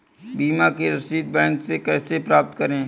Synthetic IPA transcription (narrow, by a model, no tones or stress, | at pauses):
biːmakeɾəsiːt̪̚bɛ̃ːŋksekɛːsepɾaːp̚t̪kəɾẽː